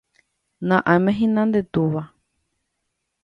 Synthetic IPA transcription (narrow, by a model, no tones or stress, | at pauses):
nãʔamɛ̃ɦĩnãnd̪et̪uβa